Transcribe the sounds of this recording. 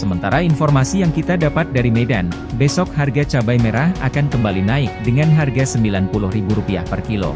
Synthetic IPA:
səmənt̪aɾainfɔrmasijaŋkit̪adapat̪̚daɾimedan | bɛsɔk̚harɡat͡ʃabajmeɾaha̰kankəmbalinaɪk̚dəŋanɦarɡasəmbilanpulʊhribuɾupia̰hpərkilo̰

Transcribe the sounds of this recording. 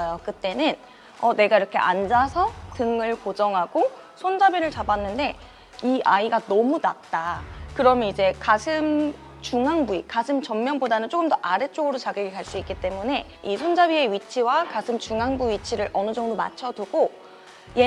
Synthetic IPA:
jokɯt͈e̞nɯn | ʌne̞ɡaiɾʌkʰe̞̰ʔand͡ʑasʰʌtɯŋɯɭkod͡ʑʌŋɦaɡ̥o | sʰond͡ʑabiɾɯɭt͡ɕabanːɯnde̞ | iʔaiɡanʌmunat̚t͈akɯɾʌmjʌnid͡ʑe̞kasʰɯm | t͡ɕuŋɦaŋbuikasʰɯmt͡ɕʌmːjʌŋbodanɯnt͡ɕ͈okɯmdʌʔaɾe̞t͡ɕ͈oɡɯɾot͡ɕaɡjeɡikaɭs͈uik͈it͈e̞mune̞ | isʰond͡ʑabie̞ɥit͡ɕʰiwakasʰɯmt͡ɕuŋɦaŋbuɥit͡ɕʰiɾɯɾʔʌnɯd͡ʑʌŋdoma̰t͡ɕʰʌduɡo | je

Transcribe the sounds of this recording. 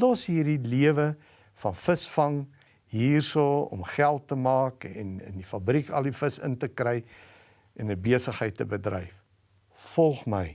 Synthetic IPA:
dɑːsɦiːrdiliəvə | fɐnfəsfɐŋ | ɦiːrsuːɔ̰mχælˠtːəmɑːkɛ̰nə̰ndifɐbrikɐ̰lˠdifəsə̰ntəkrəj | ʔɛnəbiəsəχɦəjtːəbədrɛ̰jf | fɔlˠχməj

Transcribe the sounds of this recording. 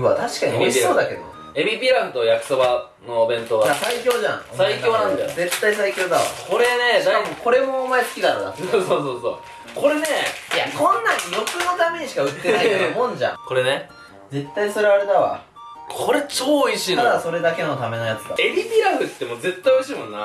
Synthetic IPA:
βat̪aɕi̥kaɲ̟ioiɕso̞ːd̪ake̞d̪o̰o̰ | emʲibʲiɾãnt̪ojakɯ̟̥soba | no̞ːbẽ̞nt̪oɡajasaikʲo̞ːʑãŋosaikʲo̞ːnãnd̪aze̞t̪ːaisaikʲo̞ːd̪aa̰kʰo̞ɾe̞ne̞aamokʰo̞ɾe̞mo̞ːmaesɨ̥kʲid̪anod̪a̰soːsoːso̰ː | ko̞ɾe̞ne̞jakʰõ̞nːãɲjo̞kɨno̞t̪ame̞ɲ̟iɕi̥kaɯ̟t̪ːenamõ̞ɲd͡ʑã̰ŋko̞ɾene | d͡ze̞t̪ːaiso̞ɾe̞aɾe̞d̪aβa̰ | kʰo̞ɾe̞t͡ɕoːiɕint̪aad̪aso̞ɾe̞d̪ake̞no̞t̪ame̞no̞jat͡sɨd̪a̰ebʲibʲiɾahɯ̟t̪ːemoːze̞t̪ːaɪjoiɕiːmõ̞nːa

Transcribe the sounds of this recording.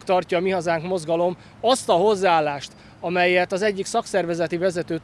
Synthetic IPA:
kt̪ɒrcɒːmiɦɒzaːŋkmo̞zɡɒlo̞m | ɒst̪ɒɦo̞zːaaːlːaːʃt̪ | ɒmɛjɛt̪ɒzɛɟːiksɒksɛrvɛzɛt̪ivɛzɛt̪øːt̪

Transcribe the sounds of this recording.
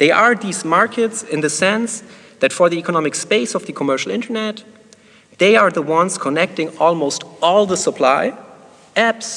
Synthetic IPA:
ðeɪʔa˞ðizmaɹkʰɨtsɪ̃nðɨsɛ̃ns | ðætfə˞ðiikənɑmɨkspeɪsɔvðɨkʰɔmɜ˞ʃl̩ˠɪ̃ntʰə˞nɛt | ðeɪə˞ðəwʌ̃nskʰɔnɛk̚tɪ̃ŋɔlˠmoʊstɔlˠðəsəpʰl̥aɪ | æps

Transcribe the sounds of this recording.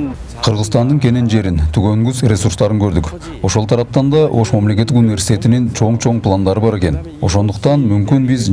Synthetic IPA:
qʰəɾʁəzt̪ɑnd̪əɴkʲʰe̞nenʒe̞ɾɪnt̪ʰʏkʲeŋɡʲʏzrʲe̞suɾrst̪ɑɾəŋkʲʰɵɾd̪ɪk | wo̞ʃolt̪ʰɑɾɑp̚t̪ɑnd̪ɑwʔo̞ʃmæmle̞kʲet̪ːɪkunijvʲe̞ɾsit̪e̞t̪ɪnent͡ʃʰo̞ɴt͡ʃʰo̞ɴplˠand̪ɑɾəbɑɾe̞kʲe̞n | woso̞nd̪əq̚t̪ɑnmʏmkʲɪnbɪz

